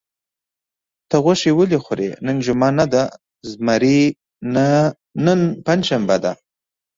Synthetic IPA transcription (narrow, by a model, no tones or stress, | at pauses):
t̪əɣaʃewəlixʊɾḛnənʒʊmɑnad̪a | zmaɾi | na | nənpand͡ʒʃambad̪a